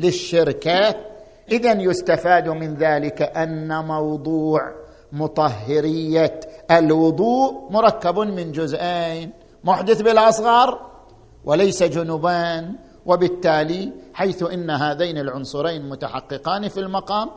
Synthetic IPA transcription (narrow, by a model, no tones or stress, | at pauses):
lɪʃːɪɾka | ʔɪðanjʊst̪afaːd̪mɪnðaːlɪkaʔanːamɑwd̪ˤuːʕ | mʊt̪ˤɑhːɪɾɪjːaʔalwʊd̪ˤuːʔmʊɾˤɑkːabmɪnd͡ʒʊzʔen | mʊħd̪ɪθbɪlʔɑsˤɣɑɾˤ | wʔɪlajsad͡ʒʊnʊbaːn | wʔɪbɪt̪ːaːliħajθʊʔɪnːaɦaːðeːnɪlʕʊnsˤʊɾeːnmʊt̪aħɑ̰qːɨqiːnfilmɑqɑːm